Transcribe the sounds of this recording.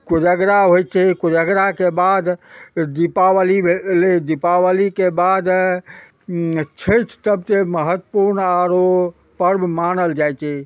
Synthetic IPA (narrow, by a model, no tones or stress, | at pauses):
kod͡ʒəɡɾaɦojt͡ʃʰɛkod͡ʒəɡɾakebad̪d̪ipaʋəlieled̪ipawəlikebad̪ | t͡ʃʰet͡ʃʰt̪əbt̪eməɦət̪ːəpuɾnaɾo | pəɾbmanəld͡ʒajt͡ʃʰɛ